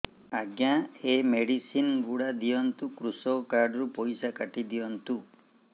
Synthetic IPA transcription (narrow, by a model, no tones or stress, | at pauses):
aɡjaemeɽisinɡuɽad̪ijɔnt̪ukɾusɔwkaɾɖɔɾupɔjsakaʈid̪ijɔnt̪u